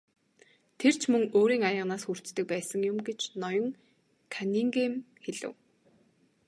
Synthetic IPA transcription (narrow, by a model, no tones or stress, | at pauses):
t̪ʰer̥t͡ɕʰmɵŋoːɾiːŋajə̆ʁnaːsxur̥t͡st̪ɘ̆k̚pæːsə̆ŋjʊmɡet͡ɕnɔjɞ̆ŋ | kʰaniŋɡem | xeɮɘ̰̆w